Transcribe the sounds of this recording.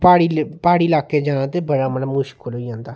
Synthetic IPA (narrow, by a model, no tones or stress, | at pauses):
paːɽipaːɽilaːkeːd͡ʒaːnãːt̪eːbəɽaːmələmʊʃkʰoːlɦoijãːnd̪aː